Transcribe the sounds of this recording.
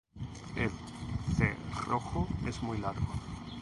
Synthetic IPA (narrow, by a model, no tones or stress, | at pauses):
el | selroxoesmujlaɾɡo